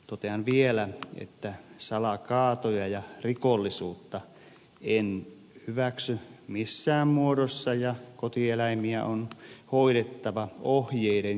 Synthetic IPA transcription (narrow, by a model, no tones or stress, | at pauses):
t̪ot̪eɑnʋielæḛt̪ːæsɑlɑkɑːt̪ojɑjɑrikolːisuːt̪ːɑ | en | hyʋæksymisːæːmmuoɾosːɑjɑkot̪ielæimiæ̰ʔonhoiɾet̪ːɑʋɑohjeiden